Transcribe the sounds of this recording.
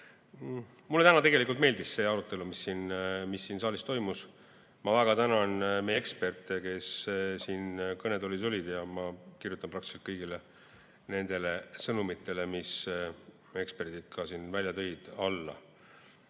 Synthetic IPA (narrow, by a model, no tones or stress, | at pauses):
mulːet̪ænɑt̪e̞ɡe̞likult̪me̞ːld̪isse̞ɑɾut̪ːˑe̞lumisːiːnmisːiːnsɑːlʲist̪o̞jmus | mɑvæɡ̥ɑt̪ænɑnmekspe̞rt̪ˑeke̞ssiːnkɤne̞d̪o̞lʲis̬o̞lʲid̪̥jɑmɑkirjut̪ːˑɑmprɑkt̪i̥selt̪kɤjɡile | ne̞nd̪̥e̞le̞sɤnumit̪ːˑe̞le̞mis | e̞kspe̞rd̪̥id̪̥̚kʰɑsiːnvælʲjɑt̪ɤjd̪̥ɑlːɑ̰